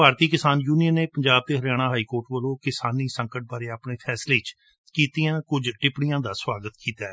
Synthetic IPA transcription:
bʱaːɾt̪iːkɪsaːnjuːnijənːeːpəɲd͡ʒaːb̚t̪eːɦəljaːɽ̃aːɦaːiːkoːɾʈʋəlõːkɪsaːniːsə̃ŋkəʈ̚baːɾeːaːpɳeːpʰɛːsleːt͡ʃ | kiːt̪iːãːkʊd͡ʒʈɪpɽijãːd̪aːswaːɡət̪kiːt̪aːɛː

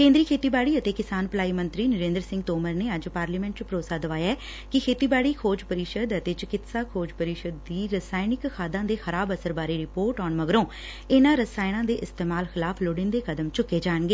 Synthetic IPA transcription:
kẽːnd̪ɾiːkʰeːt̪iːbaːɽiːət̪eːkɪsaːnpəlaːiːmə̃nt̪ɾiːnəɾẽːnd̪əɾsɪ̃ŋɡ̚t̪oːməɾneːəd͡ʒpaːɾliːmɛ̃ɳʈ̚t͡ʃpɾoːsaːd̪əʋaːjaɛː | kɪkʰeːt̪iːbaːɽiːkʰoːd͡ʒpəɾɪʃəd̪ət̪eːt͡ʃɪkɪt̪saːkʰoːd͡ʒpəɾɪʃəd̪ːiːɾəsaːɪnɪkxʰaːd̪ãːd̪eːxəɾaːbəsəɾbaːɾeːɾɪpoːɾʈɔːnməɡɾõː | ɪnãːɾəsaːɪɽ̃ãːd̪eːʔɪst̪eːmaːlxɪlaːpʰloːɽɪnd̪eːkəd̪əmt͡ʃʊkːeːd͡ʒaːɳɡeː

